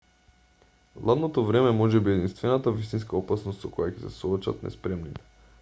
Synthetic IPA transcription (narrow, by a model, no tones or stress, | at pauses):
lˠad̪not̪ovɾɛmɛmɔʒɛbiɛd̪inst̪vɛnat̪avist̪inskaopasnost̪sokojacɛ̥sɛsoɔt͡ʃa̰t̪nɛ̰spɾɛmnit̪ɛ̥